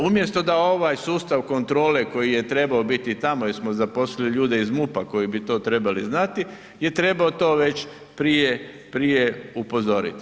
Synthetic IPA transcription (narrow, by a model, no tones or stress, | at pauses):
umje̞st̪o̞d̪ao̞ʋaːjsuːst̪aʋko̞nt̪ɾo̞ːleko̞jije̞t̪ɾe̞baobit̪it̪amoismozapo̞sliliʎuːd̪e̞izmupako̞jibit̪o̞ːt̪ɾe̞baliznat̪i | je̞t̪ɾe̞baot̪o̞ːʋe̞t͡ɕ | pɾije | pɾijeupo̞zo̞ɾḭt̪i̥